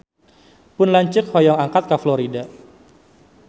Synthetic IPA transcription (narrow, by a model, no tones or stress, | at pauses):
pʊnlaɲt͡ʃɪkhɔjɔŋaŋkat̪̚kaflɔɾida